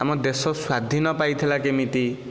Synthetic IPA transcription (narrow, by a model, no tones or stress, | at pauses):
amɔd̪esɔswad̪ʱinɔpajt̪ʰilakemit̪i